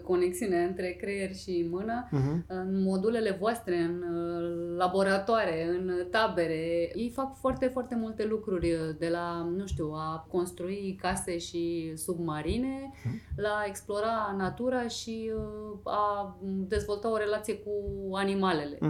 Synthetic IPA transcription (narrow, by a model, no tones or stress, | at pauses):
ko̞ne̞ksiuneaɨnt̪ɾe̞kɾeje̞rʲʃimɨnəɨnmo̞d̪ule̞le̞voast̪ɾe̞ɨn | labo̞ɾat̪oaɾe̞ɨnt̪abe̞ɾe̞jejfakfoart̪e̞foart̪e̞mult̪e̞lukɾurʲd̪e̞lanũʃt̪uwako̞nst̪ɾuikase̞ʃisubmaɾine̞lae̞ksplo̞ɾanat̪uɾaʃi | ad̪e̞zvo̞lt̪ao̞ɾe̞lat̪sije̞kuanimale̞le̞̰